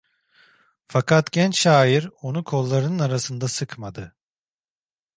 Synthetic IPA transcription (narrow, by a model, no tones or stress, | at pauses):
fakʰat̪ɟɛnt͡ʃʃaːjiɾo̞nukʰo̞lˠːaɾɯnɯnaɾasɯnd̪asɯkmad̪ɯ